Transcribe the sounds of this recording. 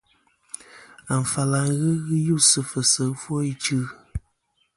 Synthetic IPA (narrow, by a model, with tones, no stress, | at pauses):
a˨ɱ̩˨fa˨la˨ŋ˦ɣɨ˦ɣɨ˦ju˦˨sɨ˦fə˨sə˨˦fwɔ˦i˦t͡ʃɨ˦